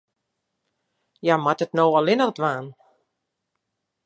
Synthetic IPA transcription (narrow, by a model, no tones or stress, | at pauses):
jamatətnowɔlɪnərdʋaːn